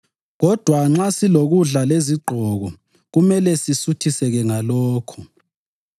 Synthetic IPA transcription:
ɣɔd̥ʱwaŋ͡ǁasiloɣuɮaleziɡ͡ǃʱɔɣɔ | ɣumɛlɛsisutʰisɛɣɛŋalɔːkʰɔ

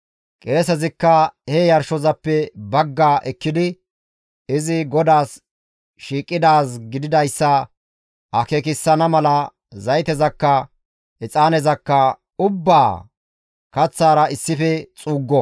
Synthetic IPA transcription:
kʼe̞ːs̬ɛzɪkːɐhɛjɐɾʃɔzɐpːɛbɐɡːaːʔɛkːɪd̪ɪ | ɪzɪɡɔd̪aːs | ʃiːkʼːɪd̪aːsɡɪd̪ɪd̪ɐjsːɐ | ɐkeːk̬ɪsːɐnɐmɐlɐ | zɐjt̪ɛzɐkːɐ | ɪt͡sʼaːnɛzɐkːɐ | ʊbːaː | kɐt͡sːaːɾɐɪsːɪfɛt͡sʼuːɡːɔ

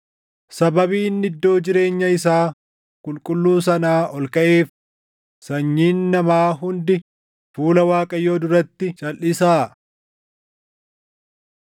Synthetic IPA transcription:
sɐbɐbiːnːɪd̪ːo̞ːd͡ʒɪɾe̞ːɲːɐɪs̬aː | kʼʊlkʼʊlːuːs̬ɐnaːʔɔlkɐʔe̞ːf | sɐɲːiːnːɐmaːɦʊnd̪ɪ | fuːlɐwaːkʼɐjo̞ːd̪ʊɾɐt̪ːɪt͡ʃʼɐlʔɪsaː

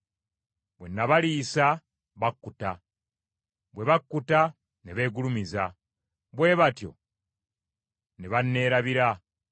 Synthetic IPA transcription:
βwenːaβaliːsa | βakːuta | βweβakːuta | neβe̞ːɡulumiza | βwe̞βatjo̞̰ | neβanːe̞ːɾaβiɾa

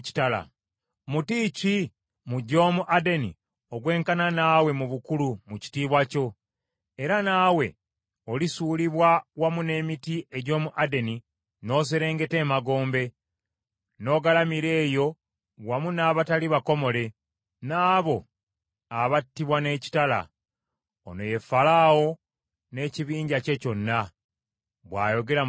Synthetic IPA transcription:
ci̥tala̰ | mutici | muɟo̞ːmuʔade̞nḭ | o̞ɡwe̞ːŋkananaːwe̞muβukulumuci̥tiːβwaco̞ | e̞ɾanaːwe̞ | olisuːliβwawamune̞ːmitiʔe̞ɟo̞ːmuʔade̞ni | no̞ːs̬eɾe̞ːŋɡe̞te̞ːmaɡo̞ːmbe̞ | no̞ːɡalamiɾe̞ːjo̞ | wamunaːβataliβako̞mo̞le̞ | naːβo̞ | aβatːiβwane̞ːci̥tala̰ | o̰no̞je̞falawo̞ | ne̞ːciβiːɲɟace̞co̞nːa | βwa̰ːjo̞ɡe̞ɾa

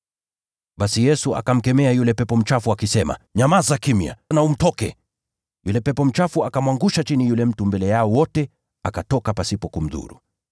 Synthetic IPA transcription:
ɓasijɛsua̰kam̩kɛmɛajulɛpɛpɔm̩t͡ʃafuakisɛma̰ɲamazakimia̰naum̩tɔkɛ | julɛpɛpɔm̩t͡ʃafuakamwaŋɡuʃat͡ʃinijulɛm̩tumbɛlɛjaɔwɔtɛ | akatɔkapasipɔkum̩ðṵɾṵ

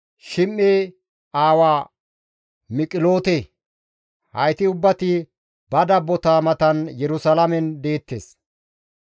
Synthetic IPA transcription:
ʃɪmːeː | aːwaː | mɪkʼɪlo̞ːt̪e | hɐ̰jt̪ɪʊbːɐt̪ɪ | bɐd̪ɐbːɔt̪aːmɐt̪ɐnjɛɾʊsɐlɐmɛnd̪e̞ːt̪ːḛːs

